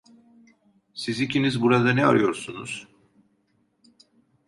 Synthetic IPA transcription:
sizicʰinizbuɾad̪anɛa̰ɾɯjo̞ɾsunuz̥

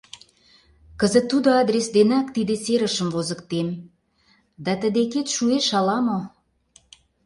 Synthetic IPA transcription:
kəzə̆t̪ːud̪oɑd̪ɾʲesd̪enɑkt̪id̪eseɾə̆ʃə̆mvozə̆kt̪em | d̪ɑt̪ə̆d̪eket̪ʃueʃɑlɑmo

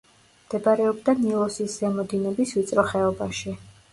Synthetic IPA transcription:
md̪ɛbaɾɛɔbd̪anilˠɔsiszɛmɔd̪inɛbisvit̪sʼɾɔχɛɔbaʃi

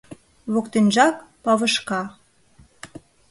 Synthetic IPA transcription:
βokt̪enʒɑkpɑβə̆ʃkɑ

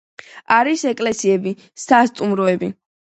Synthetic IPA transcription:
aɾisɛkʼlɛsiɛbi | sast̪ʼumɾɔɛbi

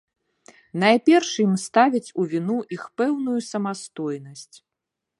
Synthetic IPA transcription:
najpʲɛrʂjimst̪avʲit͡sʲuvʲinuʔixpɛwnujusɐmast̪ɔjnɐsʲt͡sʲ

